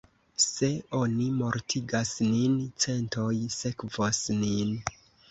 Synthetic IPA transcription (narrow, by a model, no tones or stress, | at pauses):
se̞o̞nimo̞ɾtʰiɡasnint͡se̞nto̞jse̞kvosnin